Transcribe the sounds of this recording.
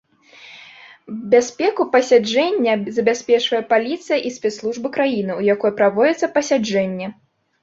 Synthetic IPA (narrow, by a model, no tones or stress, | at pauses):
bʲasʲpʲɛkupɐsʲad͡ʐɛnʲːɐzɐbʲasʲpʲɛt͡ʂvɐjɛpalʲit̪sɨjɐʔisʲpʲɛt̪slˠuʐbɨkɾajinɨujakɔjɛpɾavɔd͡zʲɛt̪sːɐpɐsʲad͡ʐɛnʲːɛ